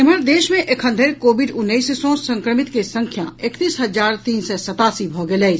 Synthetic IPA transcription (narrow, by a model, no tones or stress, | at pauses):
ɪməɾd̪eːʃmẽʔekʰɦə̃nd̪ʱeɾkoːbiɖʊnːəissõsə̃ŋkɾəmit̪kesəŋkʰja̰ekt̪iːsɦəd͡ʒaːɾt̪iːnsɛsət̪aːsibʱɔɡelɛː